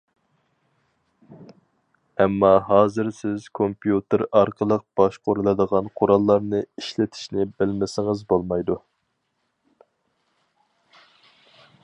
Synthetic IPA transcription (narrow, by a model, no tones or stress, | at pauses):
ɛmːɑɦɑːzɪɾsɪz̥kʰompʰijut̪ʰɪɾɑɾqʰəlˠəq̚b̥ɑʃqʰoɾulˠɨd̪əʁɑnqʰoɾɑlˠːɑɾnɨiʃlɪt̪ʰi̥ʃnɪbɪlmɪsɪŋɨzbolˠmɑjd̪u